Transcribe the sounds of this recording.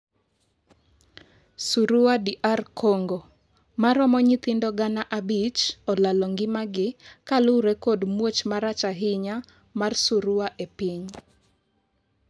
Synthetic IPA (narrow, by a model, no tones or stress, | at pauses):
suɾʊwadiʔarkʰɔŋɡo | maɾɔmɔɲit̪ɪndɔɡanaʔabit͡ʃɔlalɔŋɡɪmaɡɪkalʊɾekɔdmwot͡ʃmaɾat͡ʃaɦɪɲa | marsuɾʊwaʔepiɲ